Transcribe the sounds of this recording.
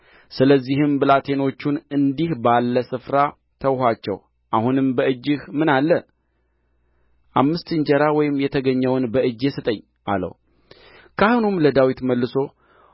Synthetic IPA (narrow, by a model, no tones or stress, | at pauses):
sɨləzːihɨmbɨlat̪ʰe̞no̞t͡ʃːunɨnd̪ihbalːəsɨfɾa | t̪ʰəwhat͡ʃːɛ̰w | ʔahunɨmbəɨd͡ʒːɨhmɨnalːə | ʔamːɨst̪ɨɲd͡ʒəɾawɔjɪmːjɛt̪ʰəɡəɲːəwnbəʔɨd͡ʒːesɨt̪ʼəɲː | ʔa̰lə̰w | kʰahunumləd̪awit̪məlːɨso̞